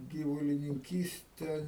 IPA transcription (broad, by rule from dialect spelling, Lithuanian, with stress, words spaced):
ɡʲiːʋʊlʲɪnʲɪŋʲˈkʲiːsʲtʲɛ